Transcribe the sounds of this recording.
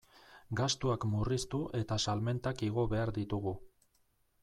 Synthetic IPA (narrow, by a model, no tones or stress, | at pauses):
ɡast̪uakmurist̪uʔe̞t̪asalme̞nt̪akiɣ̞o̞βe̞aɾd̪it̪uɣu